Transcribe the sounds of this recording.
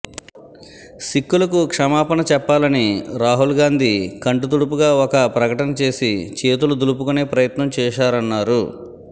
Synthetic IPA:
sikːulɐkukʂɐmaːpɐnɐt͡ʃɛpːaːlɐniɾaːɦulɡaːnd̪ikɐɳɖut̪̬uɽup̬uɡaːɔkɐpɾɐkɐʈɐnɐt͡ʃe̞ːsit͡ʃe̞ːt̪ulud̪ulup̬ukuneːpɾɐjɐt̪nɐmt͡ʃɛːʃaːɾɐnːaːɾu

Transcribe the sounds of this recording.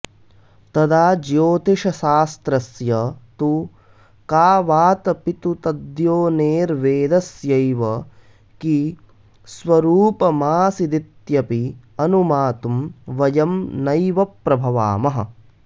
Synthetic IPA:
t̪ɐd̪aːd͡ʒjoːt̪iʂɐʃaːst̪ɾɐsjɐt̪u | kaːʋaːt̪ɐpit̪ut̪ɐd̪joːneːɾʋeːd̪ɐsjɐjʋɐ | ki | sʋɐɾuːpɐmaːsid̪it̪jɐpi | ɐnumaːt̪umʋɐjɐmnɐjʋɐpɾɐbʱɐʋa̰ːmɐɦɐ̰̆

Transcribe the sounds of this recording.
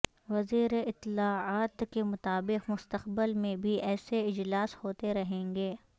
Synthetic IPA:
ʋɐziːɾeɪt̪ːɪlaːaːt̪kemʊt̪aːbɪqmʊst̪əqbəlmẽbʱiʔɛːseɪd͡ʒlaːshoːt̪eɾɐɦẽːŋɡeː

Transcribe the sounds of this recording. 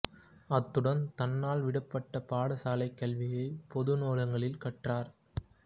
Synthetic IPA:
ɐt̪ːɯɽɐnt̪ɐnːaːlʋɪɽɐpːɐʈːɐpaːɽɐsaːlɐɪkːɐlʋɪjɐɪpɔðɯnoːlɐŋɡɐɭɪlkɐʈraːɾ

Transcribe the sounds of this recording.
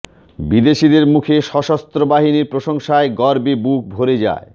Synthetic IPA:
bid̪eʃid̪eɾmukʰeʃɔʃast̪ɾobaɦiniɾpɾoʃoŋʃaeɡɔɾbebuk̚bʱoɾed͡ʑa̰e

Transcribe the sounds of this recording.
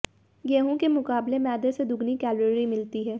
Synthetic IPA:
jɛɦũkemʊkaːblemɛːd̪esed̪ʊɡnikɛːləɾimɪlt̪iɦɛː

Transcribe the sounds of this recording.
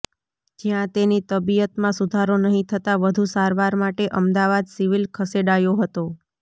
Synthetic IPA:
d͡ʒjãt̪enit̪əbijət̪mãsud̪ʱaɾonəɦĩt̪ʰət̪aʋəd̪ʱusaɾʋaɾmaʈeʔəmd̪aʋad̪siʋilkʰəseɖajoɦət̪o

